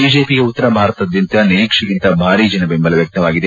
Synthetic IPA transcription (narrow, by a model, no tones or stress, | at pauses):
biːd͡ʒeːpiɡeut̪ːɐɾɐbʱaːɾɐt̪ɐɐd̪jɐnt̪ɐniɾiːkʂɐkint̪ɐbʱaːɾid͡ʒɐnɐbembɐlɐʋjɐk̚t̪ɐʋaːɡid̪e